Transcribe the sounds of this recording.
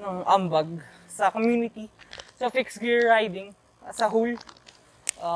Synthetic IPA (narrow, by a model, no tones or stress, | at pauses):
nɐŋʔɐmbɐɡ̚ | sɐkomjuːnɪt̪isɐfɪksɡɪɹːajd̪ɪŋ | sɐɦul | ʔa